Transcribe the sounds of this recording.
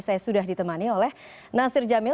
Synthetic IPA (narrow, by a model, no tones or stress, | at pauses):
sajasudaɦdit̪əmaniolɛh | nasɪrd͡ʒamɪ